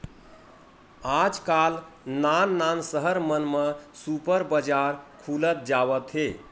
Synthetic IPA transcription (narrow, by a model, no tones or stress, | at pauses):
ad͡ʒkalnanːansəɦəɾmənmesupəɾbəd͡ʒaɾkʰulət̪̚d͡ʒaβət̪ɦe